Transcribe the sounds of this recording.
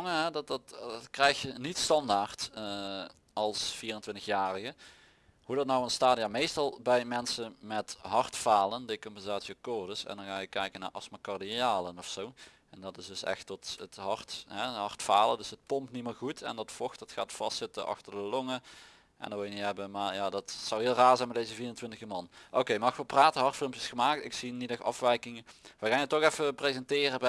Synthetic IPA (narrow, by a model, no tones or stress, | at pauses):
ŋəɦɛdttkrɛjxjənitstɑndaːrt | ɑlˠsfiːrəntʋɪntəxjaːrəɣə | hudɑtnɔwənstaːdiamejstɑlˠbɛjmɛnsənmɛtɦɑrtfaːləndekɔmpɛnzaːtsiɔkɔrdəsɛ̰ndɑnxaːjəkɛjkəna̰ːrʔɑsmakɑrdiaːlənɔfsow | ɛndɑtɪsdɵsɛ̰xtɔtətɦɑrtɦɛɦɑrtfaːlˠədɵsɦət̚pɔmpniməɹɣutʰɛ̰ndɑtfɔxtdɑtxa̰ːtfɑstsɪtəʔɑ̰xtərdəlɔŋə | ʔɛ̰ndɔtʋɪlˠjəniɦɛbənmaːɹjaːdɑtsɑwɦɪːlˠraːɹzɛjnmɛdezəviːrəntʋɪntəɣəmɑnʔowkejmɑxʋəpraːtənɦɑrtfɪlˠmjəsxəmaːktɪksinidɛxɑ̰fʋɛjkɪŋəʋəɣaːnətːɔxɛfəprezɛntɪːrəb